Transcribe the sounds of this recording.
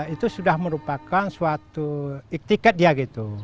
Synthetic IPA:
it̪usudahməɾupakansuat̪uik̚t̪ikɛt̪̚diaɡit̪u

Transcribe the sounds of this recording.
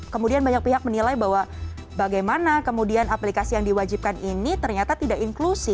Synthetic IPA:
kəmudianbaɲak̚piɦak̚mənilajbawa | baɡajmanakəmudianaplikasijaŋdiwad͡ʒip̚kaninit̪ərɲat̪at̪idaʔiŋklusɪ

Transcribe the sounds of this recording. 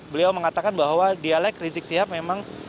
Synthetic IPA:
bəliawməŋat̪akanbaɦwadialɛkrizɪk̚siɦap̚memaŋ

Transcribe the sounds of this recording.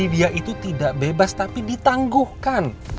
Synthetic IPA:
idiaʔit̪ut̪idaʔbebast̪apidit̪aŋɡuhkan

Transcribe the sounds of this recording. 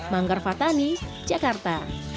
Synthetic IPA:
maŋɡarfat̪anis | d͡ʒakart̪a

